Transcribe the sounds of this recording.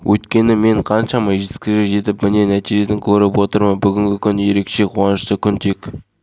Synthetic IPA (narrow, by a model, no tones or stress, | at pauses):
wʔɵjt̪kʲe̞nɪme̞ɴqʰɑnʃɑmɑʒet̪kʲɪʒeʒe̞t̪ɪpmɪne̞næt̪iʒe̞sɪŋkʲʰɵɾɪpwo̞t̪əɾmənbʏɡʲɪŋɡʲɪkʲʰʏnje̞ɾe̞kʃe̞qʰuwɑnəʃt̪əkʲʰʏnt̪e̞k